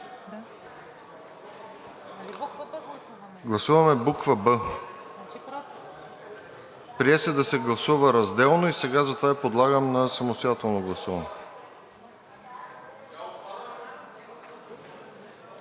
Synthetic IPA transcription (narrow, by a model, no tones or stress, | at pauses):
ɡlˠɐsuvɐmɛbukvəbə | pɾiɛsɛd̪ɐsɛɡlˠɐsuvəɾɐzd̪ɛlˠnoisɛɡazɐt̪ovaipod̪lˠaɡəmnɐsɐmost̪ojat̪ɛlˠnoɡlˠɐsuvɐ̰nɛ